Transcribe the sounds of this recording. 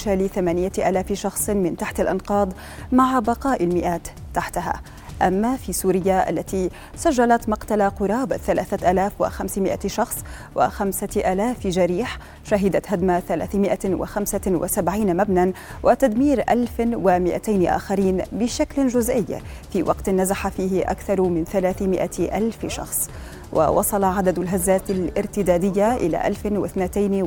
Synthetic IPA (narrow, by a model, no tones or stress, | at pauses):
ʃaːliθamaːnɪjaʔaːlaːfɪʃɑxsˤmɪnt̪aħt̪alʔɑ̰nqɑːd̪ˤ | maʕbɑqɑːʔɪlmɪʔaːt̪ːaħt̪aɦa̰ː | ʔamːafiːsuːɾɪjːaʔa̰lːat̪iː | saʒːalat̪mɑqt̪alaqʊɾˤɑːbθalaːθaʔaːlaːfwɪ̰xamsmɪʔaʃɑxsˤ | wɪ̰xamsaʔaːlaːfd͡ʒaɾiːħ | ʃaɦɪd̪at̪ɦad̪maθala̰ːθmɪʔawa̰xamsawʔa̰sabʕiːnamabnanwʔɪt̪ad̪miːɾʔalfwɪmɪʔa̰t̪ajnʔa̰ːxaɾiːnbɪʃaklʒʊzʔɪjː | fiːwʔɑ̰qt̪nːazaħafiːhɪʔa̰kθɑɾˤmɪnθalaːθɪmɪʔaʔalfʃɑ̰xsˤ | wʔa̰wɑ̰sˤɑlɑʕad̪ad̪alɦazːaːt̪alʔɪɾt̪ɪd̪aːd̪ɪjːaʔɪla̰ːʔa̰lfɪnwɪθnat̪ajn